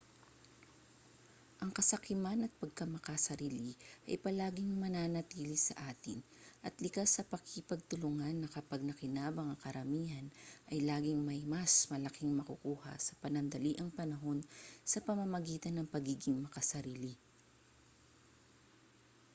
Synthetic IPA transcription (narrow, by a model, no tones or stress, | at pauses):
ʔɐŋkɐsɐkɪmanɐt̪̚pɐɡ̚kɐmɐkɐsɐɾiːlɪʔɐ̰jpɐlaːɡɪŋmɐnanɐt̪iːlɪsɐ̰ʔaːt̪ɪn | ʔɐt̪lɪkasːɐpɐkɪpɐɡ̚t̪ʊlʊŋanːɐkɐpaɡ̚nɐkɪnaːbɐŋɐkɐɾɐmiːhɐnʔɐjlaːɡɪŋmɐjmɐsmɐlɐkɪŋmɐkukuːhɐ̰sɐpɐnɐnd̪ɐliʔɐŋpɐnɐɦo̞nsɐpɐmɐmɐɡiːt̪ɐnːɐŋpɐɡiːɡɪŋmɐkɐsɐɾiːlɪ